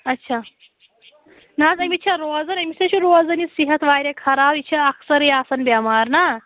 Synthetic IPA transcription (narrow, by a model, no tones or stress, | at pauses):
ɐtːɕʰa | nazɐmit̪ːt͡ʃʰaɾod͡zɐnɐmiseɕuɾod͡zɐnisiɦɐt̪ʋaːjɾekʰɐɾaːbit͡ʃʰaɐksəɾjasɐnbamaːɾna